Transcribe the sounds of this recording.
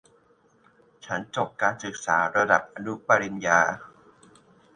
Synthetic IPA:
t͡ɕʰa˦˥nt͡ɕo˨˩p̚kaː˧nsɯ˨˩k̚sa̰ː˩˦ɾa˧da˨˩p̚ʔa˧nu˦˥pa˧ɾi˧njaː˧

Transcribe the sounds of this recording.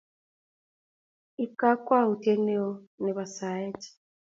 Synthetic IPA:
i˦ka˦kwa˦˨u˨te˦ne˦ɔ˦nɛ˨βa˨sa˨˦e˦ti̥

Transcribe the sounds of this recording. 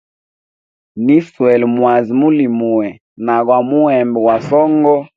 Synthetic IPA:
ni˦swɛ˨lmwa˨zi˨mu˦li˨mu˨ɛ˨ | na˨ɣwa˨mu˦ɛ˨mbɛ˨wa˨sɔ˦ŋɡɔ˦

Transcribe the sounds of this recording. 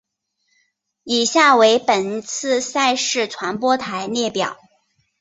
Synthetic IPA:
i˨˩ɕja˥˩we˧˥ɪpə˨˩nt͡sʰɹ̩˥˧sa˥˧ɪʂɻ̩˥˩ʈ͡ʂʰwa˧˥npwɔ˥t̪ʰa˧˥ɪnjɛ˥˩pjɑ˨˩˦ʊ

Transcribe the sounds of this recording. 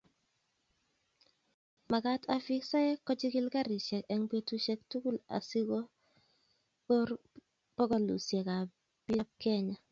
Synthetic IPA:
ma˨ka˦tʰa˨fi˦ksa˦jɛ˦kːɔ˦d͡ʒi˦ki˦lka˦ɾɪ˨ʃɛ˨kɛ˦ŋpe˦tu˦ʃɛ˦k̚tu˦ku˦˨la̰˨si˦ɡo˦ | o˦ɾ | pɔ˦ɡɔ˦lṵ˨sje˨ka˨ | pɪ˦a˦p̚kɛ˦ɲa˨

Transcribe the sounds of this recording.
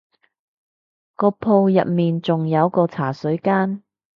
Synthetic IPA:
kɔː˧pʰo˧wjɐ̰˨p̚miː˨nt͡sʊ˨ŋjɐ˨˧wkɔː˧t͡sʰaː˨˩sɵ˨˥ɥkaː˥n

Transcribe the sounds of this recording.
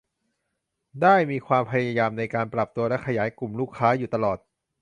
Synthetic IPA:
daː˥˩jmiː˧kʰwaː˧mpʰa˧jaja˧jaː˧mna˧jkaː˧npɾa˨˩p̚t̪u˧ɐlɛ˦˥kʰːa˧jaː˩˦jku˨˩mluː˥˩kʰːaː˦˥juː˨˩t̪a˧lɔː˨˩t̪̚

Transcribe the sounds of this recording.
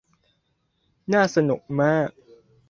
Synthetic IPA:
naː˥˩sa˧nu˨˩k̚maː˥˩k̚

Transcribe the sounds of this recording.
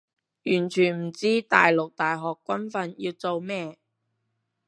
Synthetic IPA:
jyː˨˩nt͡ʃʰyː˨˩nm̩˨˩t͡siː˥t̪aː˨jlʊ˨k̚t̪aː˨jɦɔː˨kːʷɐ˥nfɐ˧njiː˧wt͡so˨˧wmɛː˥

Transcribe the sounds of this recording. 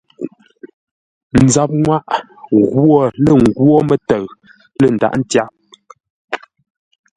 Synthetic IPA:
n̩˨za˨p̚ŋwa˦ʔ | ɣwɔ˦˨lə˨ŋ̩˨ɡwo˦mə˦tə˨ɣ | lə˨n̩˨da̰˨ʔn̩˦tja˦p̚

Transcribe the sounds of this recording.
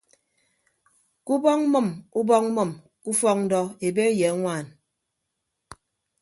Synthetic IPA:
ku˦bɔ˦ŋ̩˦mɔ˦˨mu˦bɔ˦ŋ̩̚˦mɔ˨m | ku˦fɔ˦k̚n̩˦dɔ˦e˨be˦je˨a˦ŋʷaː˦˨n

